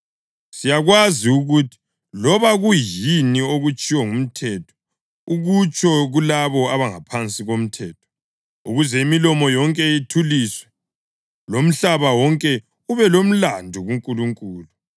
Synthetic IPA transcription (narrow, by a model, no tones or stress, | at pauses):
sijaɣwaziuɣutʰi̥ | lɔβaɣujinioɣut͡ʃʼiwɔŋum̩tʰɛtʰɔ̥ | uɣut͡ʃʰʼɔɣulaβɔaβaŋapʰant͡sʼiɣom̩tʰɛːtʰɔ̥ | ṵɣuzɛimilɔmɔjɔŋkʼɛitʰuliːswɛ | lom̩ɬaβawɔŋkʼɛ | uβɛlom̩landʱuɣuŋkʼuluŋkʼuːlu